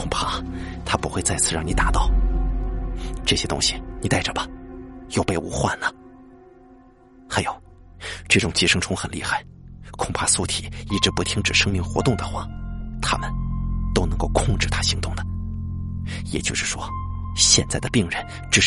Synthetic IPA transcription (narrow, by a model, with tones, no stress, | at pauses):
kʰʊ˨˩ŋpʰa˥˩t̪ʰa˥pu˧˥xwe˥˧t͡sa˥˧ɪt͡sʰɹ̩˥˧ɻɑ˥˩ŋni˨˩t̪a˨˧˥t̪ɑ˥˩ʊ | ʈ͡ʂɤ˥˩ɕjɛ˥t̪ʊ̰˥ŋɕi˨˩ni˨˩t̪a˥˩ɪə˨˩bɐ˩jo˥˧ʊpe˥˧ɪṵ˧˥xwa̰˥˩nlə˩ | xa˧˥ɪjo˨˧˩ʊ | ʈ͡ʂɤ˥˩ʈ͡ʂʊ˨˩ŋt͡ɕi˥˩ʂɤ˥ŋʈ͡ʂʰʊ˥ŋxə˨˩nlḭ˥˧xa˥˩ɪkʰʊ˨˩ŋpʰa˥˧su˥˩t̪ʰi˨˩i˥˩ʈ͡ʂɻ̩˧˥pu˧˥t̪ʰi˥ŋʈ͡ʂɻ̩˨˩ʂɤ˥ŋmi˧˥ŋxwɔ˧˥t̪ʊ˥˩ŋd̪ə˩xwa˥˩t̪ʰa̰˥mə˨nt̪o˥ʊnɤ˧˥ŋko˥˧ʊkʰʊ˥˧ŋʈ͡ʂɻ̩˥˩t̪ʰa˥ɕi˧˥ŋt̪ʊ˥˩ŋd̪ə˩ | jɛ˨˩t͡ɕjo˥˧ʂɻ̩˥˩ʂwɔ˥ | ɕjɛ˥˧nt͡sa˥˩ɪd̪ə˩pi˥˩ŋɻə˧˥n | ʈ͡ʂɻ̩˧˩